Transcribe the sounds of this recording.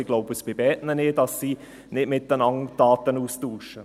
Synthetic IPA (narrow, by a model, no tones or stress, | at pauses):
ɪɡloʊbəsb̥ɪbɛtnənɪdɑsːiː | nɪtmɪt̚dənɑŋd̥aːtənuːstuːʃə